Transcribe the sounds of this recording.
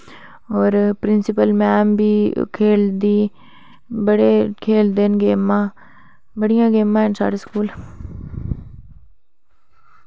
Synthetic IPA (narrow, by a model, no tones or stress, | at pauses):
ɔːɾpɾɪnsɪpəlmɛːmbiːkʰeːld̪iː | bəɽeːkʰeːld̪enɡeːmãː | bəɽɪjãːɡeːmãːɦɪnsa̰ːɽeːskuːl